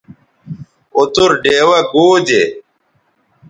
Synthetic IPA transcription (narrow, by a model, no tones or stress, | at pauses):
ot̪uɾɖeːwɐɡoːd͡ʑe